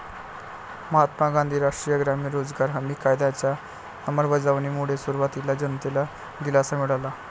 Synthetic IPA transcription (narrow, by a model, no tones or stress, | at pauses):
məɦat̪maɡãnd̪ʱiːɾaʂʈɾijəɡɾamiːɾod͡zɡaɾɦəmiːkajd̪at͡ɕja | nəməɾbəd͡zaʋniːmuɽ̤esuɾuʋat̪ilad͡ʑənt̪ila | d̪ilasamiɽala